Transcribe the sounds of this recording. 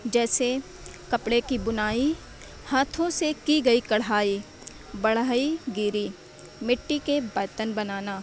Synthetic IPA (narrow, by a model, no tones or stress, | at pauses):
d͡ʒɛːse | kɐpɽekibʊnaːi | haːt̪ʰõsekiɡɐikɐɽaːi | bɐɽ̤aːiɡiːɾi | mɪʈːikebɐːt̪ənbɐnaːnaː